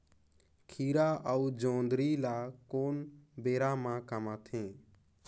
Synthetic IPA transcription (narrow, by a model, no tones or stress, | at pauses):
kʰiːɾaːʔəuːd͡ʒõːnd̪ɾiːlaːkoːnbeːɾaːmãːkəmãːt̪ʰẽː